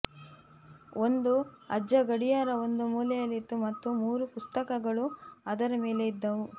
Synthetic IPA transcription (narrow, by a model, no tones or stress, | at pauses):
o̞nd̪uɐ̰d͡ʒːɐɡɐɽijaːɾɐo̞nd̪umuːlɛjɐlːit̪ːumɐt̪ːumuːɾupust̪ɐkɐɡɐɭuɐd̪ɐɾɐme̞ːle̞id̪ːɐʋu